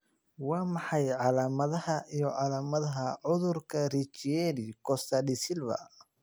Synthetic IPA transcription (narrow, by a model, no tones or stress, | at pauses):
wɑːmɑħɑjʕɑlaːmɐðɐhɐʔijɔʕɑlaːmɐðɐɦɐʕʊðʊrkʰɐrit͡ʃɛlikʰɔst̪ʰɐɗɪsɪlbɐ̰